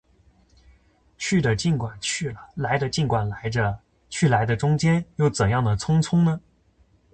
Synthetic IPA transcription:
t͡ɕʰy˥˩d̪ə˩t͡ɕi˥˩nkwa˨˩nt͡ɕʰy˥˩lə˩la˧˥ɪd̪ə˧t͡ɕi˥˩nkwa˨˩nla˧˥ɪə˧ | t͡ɕʰy˥˩la˧˥ɪd̪ə˧ʈ͡ʂʊ˥ŋt͡ɕjɛ˥njo˥˩ʊt͡sə˨˩njɑ˥˩ŋd̪ə˩t͡sʰʊ˥ŋt͡sʰʊ˥ŋnə˨

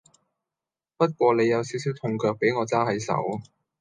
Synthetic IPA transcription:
pɐ˥t̚kʷɔː˧ne˨˧jːɐ˨˧wsi˨˥ws̬iː˨˥wt̪ʰʊ˧˩ŋkœː˧k̚pe˨˥jŋɔː˨˧t͡saː˥hɐ˨˥jsɐ̰˨˥w

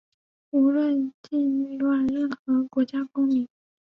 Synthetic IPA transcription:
u˧˥lwə˥˧nt͡ɕi˥˧y˥˧lwa˥˩nɻə˥˩nxɤ˧˥kwɔ˧˥t͡ɕja˥kʊ˥ŋmi˧˥˦ŋ

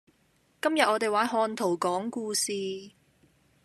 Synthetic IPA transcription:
kɐ˥mjɐ˨t̚ʔɔː˨˧t̪e˨jwaː˨˥nɦɔː˧nt̪ʰo˨˩wkɔː˨˥ŋkuː˧siː˨˧

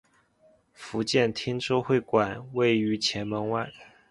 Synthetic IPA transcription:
fu˧˥t͡ɕjɛ˥˩nt̪ʰi˥ŋʈ͡ʂo˥ʊxwe˥˩ɪkwa˨˩nwe˥˩ɪy˧˥t͡ɕʰjɛ˧˥nmə˧˥ŋwa˥˩

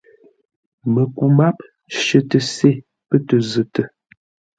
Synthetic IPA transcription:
mə˨ku˨ma˦p̚ | ʃə˨tə˨se˦˨ | pə˦tə˨zə˨tə˨

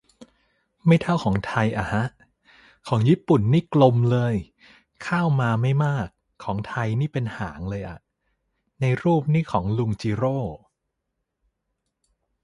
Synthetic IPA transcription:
ma˥˩jt̪ʰa˥˩wkʰɔː˩˦ŋt̪ʰa˧jʔa̰˨˩ha˦˥ʔ | kʰɔː˩˦ŋjiː˥˩pu˨˩nːiː˥˩klo˧mlɤː˧j | kʰaː˥˩wmaː˧ma˥˩jmaː˥˩kʰːɔː˩˦ŋt̪ʰa˧jniː˥˩pe˧nha̰ː˩˦ŋlɤː˧jʔa̰˨˩ | na˧jɾuː˥˩p̚niː˥˩kʰɔː˩˦ŋlu˧ŋt͡ɕiː˧ɾoː˥˩

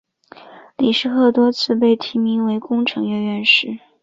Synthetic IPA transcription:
li˨˩ʂɻ̩˥˧xɤ˥˩t̪wɔ˥t͡sʰɹ̩˥˧p̬e˥˩ɪt̪ʰi˧˥mi˧˥ŋwe˧˥ɪkʊ˥ŋʈ͡ʂʰɤ˧˥ŋɥɛ˥˧nɥɛ˥˧nʂɻ̩˥˩

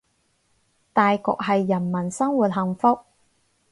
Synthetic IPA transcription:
t̪aː˨jkɔ̰ː˨k̚ɦɐ˨jːɐ˨˩nmɐ˨˩nsɐ˥ŋwuː˨t̚ɦɐ˨ŋfʊ˥k̚

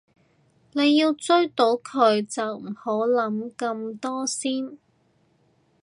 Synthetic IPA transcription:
ne˨˧jːiː˧wt͡sɵ˥ɥt̪o˨˥wkʰɵ˨˧ɥt͡sɐ˨wm̩˨˩ho˨˥wlɐ˨˥mkɐ˧mt̪ɔː˥siː˥n

